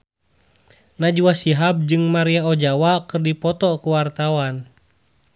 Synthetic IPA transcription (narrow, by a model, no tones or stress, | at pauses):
nad͡ʒuwasiɦab̚d͡ʒɨŋmaɾiaɔd͡ʒawakɨrdipɔt̪ɔkuwart̪awan